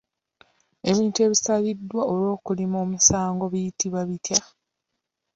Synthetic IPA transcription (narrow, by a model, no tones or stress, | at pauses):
e̞βiːntue̞βisaβidːwaolwo̞ːkulimoːmisaːŋɡo̞βijitiβaβitja